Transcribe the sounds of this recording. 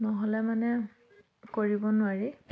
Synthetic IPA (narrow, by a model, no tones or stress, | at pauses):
nɔɦɔlɛmanɛ | koɹibɔnʊaɹi